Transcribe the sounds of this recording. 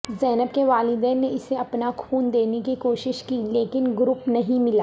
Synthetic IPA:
zɛːnəb̚keʋaːlɪd̪ɛ̃ːnːeɪseɐpnakʰuːnd̪eːnekikoːʃɪʃkileːkɪnɡɾʊpnɐɦĩmɪlaː

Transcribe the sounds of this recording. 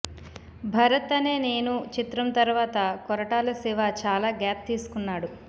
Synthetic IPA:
bʱɐɾɐt̪ɐne̞ːne̞ːnut͡ʃit̪ɾɐmt̪ɐɾʋaːt̪ɐkɔɾɐʈaːlɐsiʋaːt͡ʃaːlaːɡaːp̚t̪iːsu̥kunːaːɽu

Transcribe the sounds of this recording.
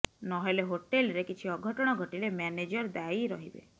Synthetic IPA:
nɔɦeleɦoʈelɾekit͡ʃʰiɔɡʱɔʈɔɽ̃ɔɡʱɔʈilemɛned͡ʒɔɾd̪aiɾɔɦibḛ

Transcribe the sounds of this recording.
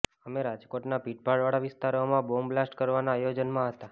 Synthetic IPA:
əmeɾad͡ʒkoʈnabiʈ̚bʱaɭʋaɽaʋɪst̪aɾomãbomblasʈkəɾʋanaːjod͡ʒənmãɦət̪a

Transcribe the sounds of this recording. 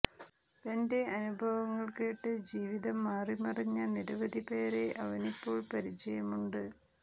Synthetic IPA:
t̪ɐnde̞ʔɐnubʱɐʋɐŋːɐɭke̞ːʈːɨd͡ʑiːʋiðɐmːaːrimɐrɐɲːɐniɾɐʋɐd̪ʱipe̞ːɾe̞ɐʋɐnipːo̞ːɭpɐɾit͡ɕːɐjɐmuɳɖɨ

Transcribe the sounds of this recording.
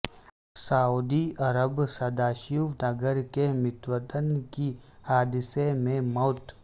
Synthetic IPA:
sauːd̪iɐɾəbsɐd̪aːʃjuːʋnɐɡəɾkemɪt̪ʋət̪ənkihaːd̪ɪsemẽmɔːt̪

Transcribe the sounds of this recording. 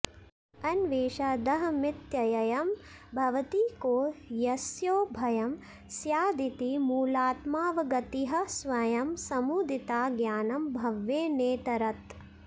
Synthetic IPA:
ɐnʋeːʃad̪ɐɦɐmɪt̪jɐjɐjɐmbʱɐʋɐt̪iːkoːjɐsjoːbʱɐjɐm | sjaːd̪it̪imuːlaːt̪maːʋɐɡɐt̪iɦɐ̆sʋɐjɐmsɐmuːd̪it̪aːɡjaːnɐmbʱɐʋjeːneːt̪ɐɾɐt̪

